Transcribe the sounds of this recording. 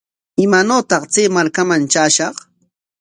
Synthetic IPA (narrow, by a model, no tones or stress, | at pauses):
ɪmanoːt̪ɑχt͡seːmaɾkamant͡ʃaːʃɑχ